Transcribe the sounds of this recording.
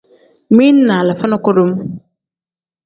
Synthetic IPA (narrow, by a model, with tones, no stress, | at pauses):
mĩ˦nːa˨la˨fa˦na˦kɔ˦ɾo˦m